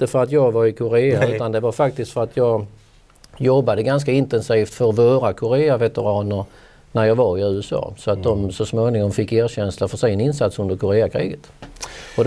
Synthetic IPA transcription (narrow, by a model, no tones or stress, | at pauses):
t̪əfœɾat̪jɑːɡvaɾɪkʰʊɾeːaaʉ̟t̪and̪ɛvaɾfak̚t̪ɪst̪fœɾat̪ʰjɑːɡ | jɔbːad̪əɡans̬kaɪnt̪ɛnsiːft̪fœɾvoːɾakʰʊɾeːavɛt̪əɾɑːnəɾ | næɾjɑːɡvaɾɪʉ̟ːɛsɑ̰ːsɔat̪̚d̪ɔmsɔsmoːnɪŋɔmfɪkːeːɾɕɛnslafœʂɛjɛnɪnsat̪sɵnd̪əɾkʰʊɾeːakʰɾḭːɡət̪ɔd̪